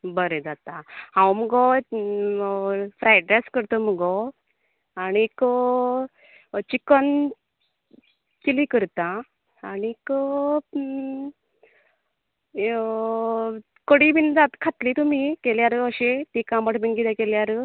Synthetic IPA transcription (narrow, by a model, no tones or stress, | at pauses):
bəɾed͡zat̪ãhãwməɡɔ | fɾajʈɾɛskəɾt̪oməɡɔ | aːnik | t͡ɕikən | kilikəɾt̪ãː | nikə | kəɽibind͡zat̪kʰat̪liːt̪um̤ikeljaɾəəɕet̪ikãməʈʰbinɡid̪akeljaɾə